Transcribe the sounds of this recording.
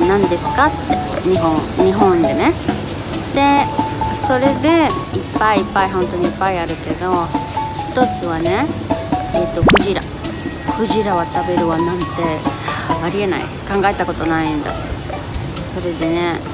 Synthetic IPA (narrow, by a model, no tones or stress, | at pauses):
nãnd̪e̞sɨ̥kat̪ːe̞ɲiɦõɲ̟iɦõnd̪e̞ne̞ | d̪̥e̞so̞ɾe̞d̪e̞ipːaiːpːaiɦõ̞nt̪o̞ɲ̟iːpːaiaɾɯ̟ke̞d̪o̞çi̥t̪o̞t͡sɨβane̞ | et̪ːo̞ɸɯ̟ʑiɾa̰ | ɸɯ̟ʑiɾaβat̪abe̞ɾɯ̟βanãnt̪e̞ | aɾʲie̞na̰ḭkãŋɡae̞t̪ako̞t̪o̞naĩnd̪a̰ | so̞ɾe̞d̪e̞ne̞